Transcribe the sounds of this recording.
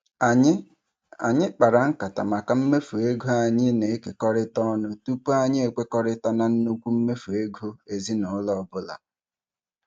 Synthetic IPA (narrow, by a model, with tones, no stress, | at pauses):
a˨˦ | a̰˨ɲɪ˦k͡pa˨ɾa˨ŋ̩˦ka˨ta̰˨ma˨ka˨m̩˦me˦fu˨e˦ɡo˦a˨ɲɪ˦ne˨˦ke˨kɔ˦ɾɪ˦tɔ˦nʊ˦tu˦pu˦a˦ɲɪ˦e˨kʷe˦kɔ˦ɾɪ˦ta˦na˨n̩˦nu˦kʷu˦m̩˦me˦fu˨e˦ɡo˦e˨zi˦nʊ˨˦lɔ˦˨bʊ˦la̰˨